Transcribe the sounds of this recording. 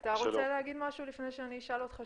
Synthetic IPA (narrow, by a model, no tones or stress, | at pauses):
t̪aʁoseleɦaɡid̪maʃulifnejʃeaniːʃalot̪χa